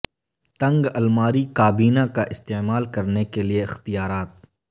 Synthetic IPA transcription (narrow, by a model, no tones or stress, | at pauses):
t̪ɐ̃ŋɡɐlmaːɾikaːbiːnakaʔɪst̪eːmaːlkɐɾnekelieɪxt̪ijaːɾaːt̪̚